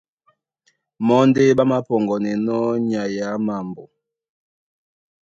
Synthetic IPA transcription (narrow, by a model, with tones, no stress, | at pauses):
mɔ˦nde˦ba˦ma˦pɔ˨ŋɡɔ˨nɛ˨nɔ˦ɲa˨ja˨˦ma˨mbo˨